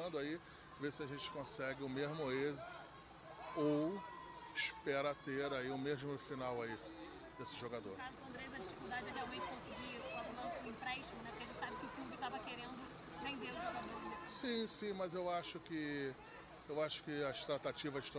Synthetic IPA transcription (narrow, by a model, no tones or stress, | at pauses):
nd̪ʊai | vesɪɐʒẽnt͡ʃɪ̥kõsɛɡɪʊmeʒmʊezit̪ʊ̥ | owɪʃpɛɾɐt̪eɾaiʊmeʒmʊfinawai | d̪esɪʒoɡad̪o̰ɾkazʊkɐ̃nd̪ɾejzɐd͡ʒifi̥kuld̪ad͡ʒɪɛɦeawmẽnt͡ʃɪ̥kõsɪɡiɐkɐ̃d̪ʊnɐ̃ĩpɾɛʃt͡ʃimʊnɛpʊ̥ɾkeɐʒẽnt͡ʃsabɪkɪʊkũbʊɪt̪avɐkeɾẽnd̪ʊ | vẽnd̪eɾʊzoɡad̪osĩsĩmɐzewaʃʊkɪ | ewaʃʊ̥kɪɐʃt̪ɾat̪at͡ʃivɐʃt̪o